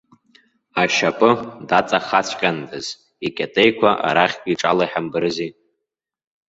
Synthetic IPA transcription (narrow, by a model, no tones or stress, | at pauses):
aʃapʼɨdat͡sʼaχat͡ɕʷʰʼqʲʼandɨz | ikʲʼatʼejkʷʰaʔa̰ɾaχʲɡʲiʈ͡ʂʼalaiħambɨɾɨzi